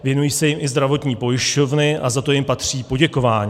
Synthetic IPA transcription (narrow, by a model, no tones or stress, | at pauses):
vjɛnujiːsɛjɪmʔɪzd̪ɾavo̞t̪ɲiːpo̞jɪʃco̞vnɪʔazat̪o̞jɪmpat̪r̝̥iːpo̞ɟɛko̞vaːɲiː